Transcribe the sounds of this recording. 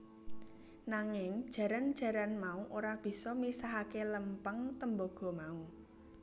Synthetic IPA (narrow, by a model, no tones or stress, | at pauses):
naŋɪŋd̥ʒ̥ä̤ɾand̥ʒ̥ä̤ɾanmauʔoɾab̥i̤sɔmisaɦakeləmpəŋt̪əmbɔɡ̥ɔ̤mau